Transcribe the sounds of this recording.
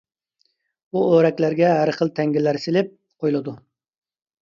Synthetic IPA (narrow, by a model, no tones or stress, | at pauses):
uøɾɛkʲlæɾɡʲɛɦæɾχəlˠt̪ʰɛŋɡʲilːæɾsɪlɪp̚ | qʰojlˠɨd̪u